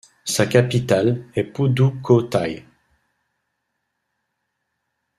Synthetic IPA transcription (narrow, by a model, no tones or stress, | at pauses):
sakapit̪alɛpud̪ukʰot̪a̰j